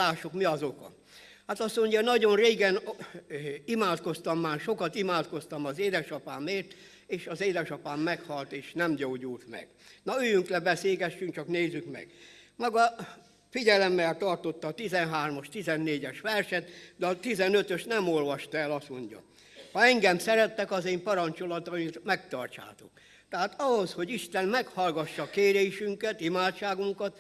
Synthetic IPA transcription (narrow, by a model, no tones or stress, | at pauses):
aːʃukmiɒzo̞kɒ̰ | haːt̪ɒsoɲɟɒnɒɟo̞nreːɡɛn | imaːt̪ko̞st̪ɒmːaːrʃo̞kɒt̪imaːt̪ko̞st̪ɒmɒzeːd̪ɛʃɒpaːmeːrt̪ | eːʃɒzeːd̪ɛʃɒpaːmːɛkhɒlt̪eːʃnɛmɟoːɟult̪mɛ̰ɡ̥nɒøːjyŋklɛbɛseːɡɛʃːyŋk̚t͡ʃɒkneːzykmɛ̰ɡ̥mɒɡɒ | fiɟɛlɛmːɛlt̪ɒrt̪o̞t̪ːɒːt̪izɛnɦaːrmoɒʃt̪izɛnːeːɟɛʃʋɛrʃɛt̪d̪ɛɒt̪izɛnøt̪øʃt̪nɛmolʋɒʃt̪ɛlɒst̪mo̞̰ɲɟɒ̰ | hɒɛŋɡɛmsɛɾɛt̪ːɛkɒzeːmpɒɾɒnt͡ʃo̞lɒt̪ɒmit̪mɛkt̪ɒ̰rt͡ʃa̰ːt̪o̞̰k | t̪ɛɦaːt̪ɒɦosho̞ɟiʃt̪ɛnmɛkhɒlɡɒʃːɒkeːɾeːʃyŋkɛt̪imaːt̪t͡ʃaːɡuŋkɒt̪